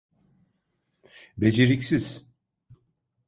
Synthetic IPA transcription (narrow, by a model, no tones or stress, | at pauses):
bed͡ʒeɾicsiz̥